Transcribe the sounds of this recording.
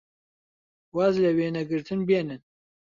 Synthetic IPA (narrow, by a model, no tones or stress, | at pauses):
wazlɛweːnɛɡɨɾt̪ʰɨnbeːnɨn